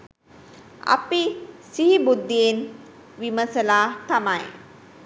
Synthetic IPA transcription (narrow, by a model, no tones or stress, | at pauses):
a̰pisiɦibud̪ːijen | ʋiməsəlaːt̪amaj